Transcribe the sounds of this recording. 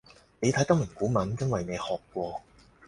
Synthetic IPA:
ne˨˧t̪ʰɐ˨˥jt̪ɐ˥k̚m̩˨˩kuː˨˥mɐ˨˥njɐ˥nwɐ˨jne˨˧jhɔː˨kʷːwɔː˧

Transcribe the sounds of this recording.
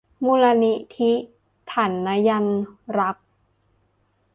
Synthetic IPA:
muː˧la˧ni˦˥t̪ʰi˦˥ | t̪ʰa˩˦nːa˦˥ja˧nɾa˦˥k̚

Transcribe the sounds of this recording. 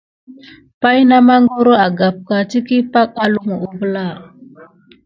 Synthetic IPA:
pa˦jna˦ma˦ŋɡo˦ɾo˦a˨ɡa˨p̚ka˨ti˦ki˦pa˦k̚a˦lu˦˨ŋu˨ʔu˨və˦la˦˨

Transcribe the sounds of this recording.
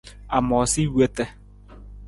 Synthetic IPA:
a˨mɔ˨si˦we˦tɛ˦

